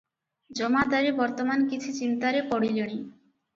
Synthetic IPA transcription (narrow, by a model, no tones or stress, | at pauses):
d͡ʒɔmad̪aɾibɔɾt̪omankit͡ʃʰut͡ɕint̪aɾepɔɽiloɽ̃i